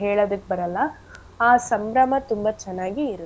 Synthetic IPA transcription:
ɦeːɭoːd̪ukːebɐɾɐlːɐ | aːsɐmbɾɐmɐt̪umbɐt͡ʃɛnːaːɡiːɾu

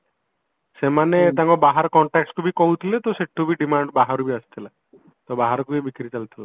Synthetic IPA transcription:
semanet̪aŋkɔbaɦaɾkɔɳʈɛkskubikoɦut̪ʰilet̪ɔseʈʰubiɖimaɳɖbaɦaɾubiast̪ʰila | t̪ɔbaɦaɾɔkubibikɾit͡ʃalt̪ʰila

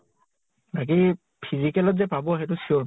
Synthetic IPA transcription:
nak̬i | pʰizikɛlɔtzɛpabɔɦɛtʊsioɹ

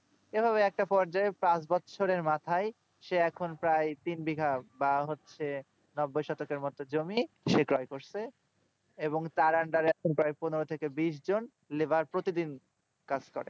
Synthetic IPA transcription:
ebʱaβeɛk̚ʈapɔɾd͡ʑaepãt͡ɕbɔtːɕʰoɾeɾmat̪ʰaj | ʃeɛkʰonpɾajt̪inbiɡʱabaɦotːɕʰe | nɔbːojʃɔt̪okeɾmɔt̪od͡ʑomi | ʃekɾɔjkoɾsʰe | eboŋt̪aɾaɳɖaɾeɛkʰonpɾajponoɾot̪ʰekebiʃ̬d͡ʑon | lebaɾpɾot̪id̪in | kad͡ʑkɔ̰ɾḛ

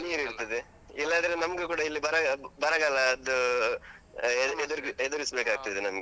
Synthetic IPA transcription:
niːɾiɾt̪ɐd̪e | ilːɐːnd̪ɐɾenɐmɐɡukuːɽɐilːibɐɾɐbɐɾɐɡalɐːd̪u | ed̪uɾed̪uɾisbeːkaːɡ̚t̪ɐd̪enɐmɐɡe

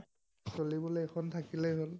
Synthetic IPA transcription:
solibɔloɛxʰɔntʰakilɛjɦol

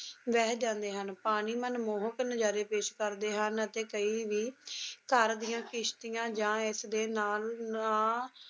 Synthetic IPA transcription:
ʋɛːɦd͡ʒãːnd̪eːɦənpaːɽ̃iːmənmoːɦəknəd͡ʒaːɾeːpeːʃkəɾd̪eːɦənət̪eːkəiːʋiːkəɾd̪ijãːkɪʃt̪ijãːd͡ʒãːɪsd̪eːnaːlãː

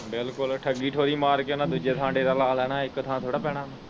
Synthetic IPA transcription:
bɪlkʊlʈʰəɡːiːʈʰoːɾiːmaːɾkenãːd̪uːd͡ʒeːt̪ʰãːɳɖeːɾaːlaːlɛːnãːɪkt̪ʰãːt̪ʰoːɽaːpɛːɽ̃ãːnaː

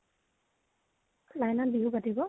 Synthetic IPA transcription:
lajnanbiɦubatibɔ

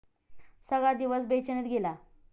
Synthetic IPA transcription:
səɡɭad̪iʋəsbʱet͡ɕənet̪ɡela

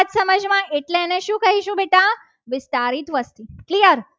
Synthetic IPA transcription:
t̪səməd͡ʒmãʔeʈlẽneʃũkəɦiʃũbeʈã | ʋɪst̪aɾiːt̪ʋəst̪iklijəɾ

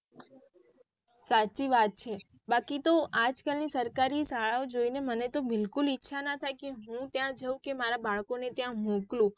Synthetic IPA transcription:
sat͡ʃiʋat̪̚t͡ʃʰe | bakit̪oʔad͡ʒkəlnisəɾkaɾisaɭaod͡ʒoinemənet̪obɪlkulɪtːʃʰanət̪ʰajkeɦũt̪jãd͡ʒəũkemaɾabaɭkonet̪jãmũklũ

